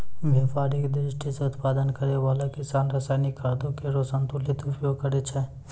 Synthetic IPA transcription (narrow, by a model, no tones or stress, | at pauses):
ʋʱɐfaːɾikd̪ɾɪʃʈʰiseʊt̪paːd̪ənkəɾeʋaːlakɪsaːnɾɐsaːɪnikʰaɾd̪õkeɾosənt̪ulit̪ʊpjoɡ̚kəɾet͡ʃʰɛ